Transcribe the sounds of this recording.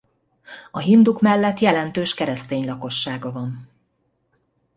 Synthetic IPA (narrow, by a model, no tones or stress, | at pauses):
ɒɦind̪ukmɛlːɛt̪jɛlɛnt̪øːʃkɛɾɛst̪eːɲlɒko̞ʃːaːɡɒvɒn